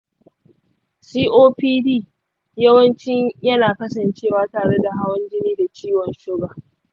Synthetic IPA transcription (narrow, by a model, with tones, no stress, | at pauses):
siː˦ʔoː˦piː˦diː˦ | jɐ˦wɐ˦nt͡ʃɪ˦ɲjɐ˦naː˨kɐ˦sɐ˨nt͡ʃeː˦˨waː˨˦taː˨ɽe˦da˨ɦa˦wɐ˦nd͡ʒɪ˦niː˦da˨t͡ʃiː˦wɔ˨nʃʊ˦ɡaː˨